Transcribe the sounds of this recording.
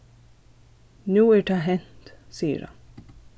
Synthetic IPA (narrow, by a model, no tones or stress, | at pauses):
nuːæːʈɑːɦɛnt̪siːə̰ɾhɑ̰n